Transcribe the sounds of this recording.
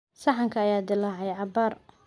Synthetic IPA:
sɐħɑŋkʰɐːjaːd̪ɪlaʕɛjʕɑbaːr

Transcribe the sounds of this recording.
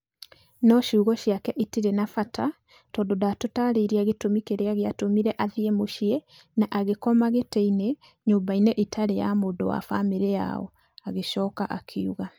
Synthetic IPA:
nɔʃuːɣɔɕiakɛʔitiɾenafata | tɔːndodatotaɾeɾiaɣetomikeɾeaɣeatomiɾɛʔaðiemoʃie | naʔaɣekɔmaɣeteine | ɲoːmbaineʔitʰaɾeja̰moːdowa̰fameɾea̰ɔ̰ | aɣeʃɔːkaʔa̰kʰeuɣa

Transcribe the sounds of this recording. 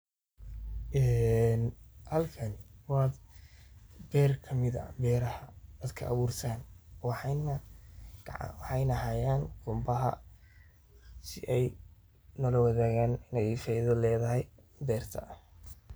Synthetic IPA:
ʔɛːnhɐlkʰɐnwɑd̪ | bɛːrkʰɐmɪðɐ̰bɛːɾɐhɐd̪ɐd̪kʰɐ̰ʔːβuːrt̪ʰaːnwɑħnɐɡʕ̰wɑħɑjnɐɦaːjaːnqʊmbɐɦɐ̰ | sɪʔɛj | nɔːlɐwɑðaːɣaːnɪnɛjfɛjðɐlɛːðɐhɛj | bɛːrt̪ʰɐ

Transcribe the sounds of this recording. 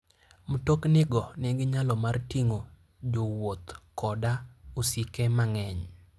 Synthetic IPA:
mtoknɪɡɔnɪɡɪɲalɔmartiŋo | d͡ʒowot̪kɔdaosikemaŋɛɲ

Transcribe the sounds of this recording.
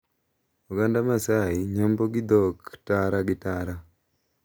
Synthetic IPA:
uɡandamasaɪɲomboɡɪd̪ɔktaɾaɡɪtaɾa

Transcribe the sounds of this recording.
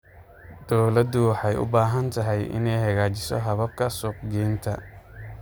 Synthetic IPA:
d̪̥ɔwlɐd̪ʊwɑħɑjʔʊ̰baːɦɐnt̪ʰɐɦɛjʔɪ̰nɛjhɐɣaːt͡ʃɪsɔ̰ɦɐβɐb̚kʰɐsʊːqɡɛːnt̪ʰɐ

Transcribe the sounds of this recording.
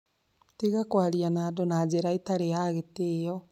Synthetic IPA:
tiɣakwaɾianadonad͡ʑeɾaitaɾeaɣetejɔ

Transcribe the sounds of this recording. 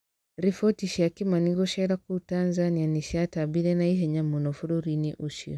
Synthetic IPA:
ɾifɔtiʃiakimaniɡɔʃɛɾakutanzanianiʃiatabiɾɛnaiɦɛɲamɔnɔfuɾuɾiniʔuʃḭɔ

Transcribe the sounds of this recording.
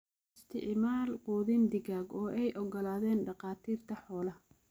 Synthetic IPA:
ɪst̪ʰɪ̰ʕmaːlqɔːðɪnd̪ɪɣaːɡɔːʔɛjʔɔɡɔlaːðɛːnɖɑqɑːt̪ʰiːrt̪ʰɐħɔːlɐ

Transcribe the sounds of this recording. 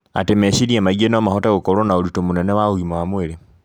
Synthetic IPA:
a̰temeɕiɾiamaɣienɔmahotaɣokoɾonaolitomunɛnɛwauɣimoamweɾe

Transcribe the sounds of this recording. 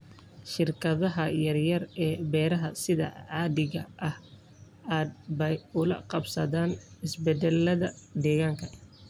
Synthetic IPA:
ʃɪrkʰɐðɐɦɐjɐrjɐrɛːbɛːɾɐɦɐsɪðɐ̰ʕɑːðɪɣɐʔɐh | aːd̪̚bɛjʊlɐ̰qɑbsɐðaːnɪsbɛd̪ɛlːɐðɐd̪ɛːɣaːŋkʰɐ

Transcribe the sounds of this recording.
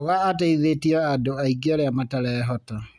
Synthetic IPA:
oɣaːtaiðetiaadoaiɡaɾeamataɾaaɦɔta

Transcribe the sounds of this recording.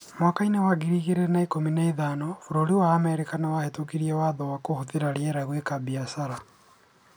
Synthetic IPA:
mwakainewaɣiɾiɣeɾenaikominaiðaːnɔfuɾoɾiwaːmɛɾikanawahetokiɾiɛwaðɔwakohuðiɾaɾieɾaɣwekabiasaɾa

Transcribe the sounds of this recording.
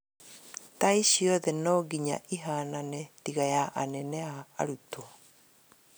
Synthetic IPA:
taiɕiɔðɛnɔɡiɲa̰ʔiɦaːnanɛtiɣajaʔanɛnɛa̰ːɾuto

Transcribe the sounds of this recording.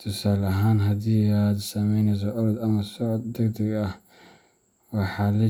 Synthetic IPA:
t̪ʰʊsaːlɐɦaːnɦɐd̪iːad̪sɐmɛjnɛjs̬ɔʔɔɾɔd̪ɐmɐsɔʕd̪ːɐɡd̪ɐɡɐh | wɑħɑːlɐ

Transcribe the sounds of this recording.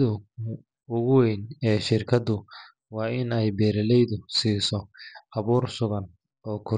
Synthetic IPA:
ðʊ | ʊɣʊwɛjnɛːʃɪrkʰɐd̪ʊ | wɑːʔɪnɛjbɛːɾɛlɛjðʊsiːsɔʔɐβuːrsʊɣɐn | ɔːkʰʊ

